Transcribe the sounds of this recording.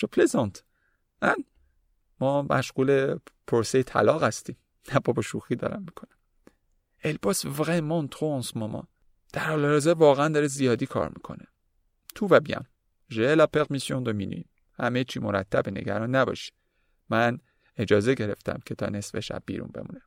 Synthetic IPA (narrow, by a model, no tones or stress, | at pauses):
d͡ʒopʰlezɑnt̪ | mæn | mɒːmæ̰ʃɣuːlepʰoɾsejet̪ʰæ̰lɒːɣhæst̪iːm | næbɒːboʃuxiːd̪ɒ̰ːɾæ̰mːikʰonæm | ʔelbɒsvɣemːɑnt̪ʰʁonsmɒmɒ̰ | d̪̥æɾhɒːleɒzeɾvɒːɣeænd̪ɒːɾezijɒːd̪iːkʰɒ̰ɾmikʰo̞̰ne | t̪ʰuvæbiæ̰m | ʒeelæpʰeɣmisjond̪ominḭim | hæmet͡ʃʰimoɾæ̰t̪ʰːæbene̞̰ɟæ̰ɾɒːnːæbɒ̰ːʃi̥ | mæn | e̞d͡ʒɒːzeɟe̞ɾeft̪ʰæ̰mcʰet̪ʰɒ̰ːnesbeʃæ̰bːḭːɾṵnbe̞̰mṵːnæ